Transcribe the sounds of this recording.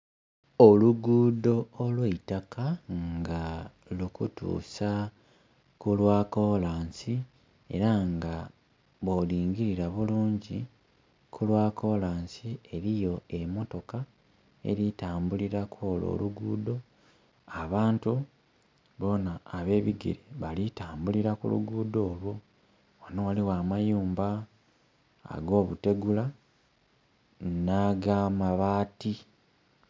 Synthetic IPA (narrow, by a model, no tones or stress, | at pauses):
oluɡuːdo̞ːlweitakaŋŋɡa | lukutṵːsa | kulwaːko̞laːnsi | e̞̰ɾaŋɡa | βoliːɲɟiɾiɾaβuluːɲɟi | kʰulwaːkʰo̞laːnsie̞ɾijo̞e̞mo̞to̞ka | e̞̰ɾitaːmbuliɾakʰoːlo̰ːluɡuːdo̞ | aβaːntu | βo̞naːβe̞ːβiɡḭɾeβalitaːmbuliɾakṵlṵɡuːdo̞ːlwo | anowaliwaːmajuːmba | a̰ɡo̞ːβute̞ɡula | naɡamaβaːti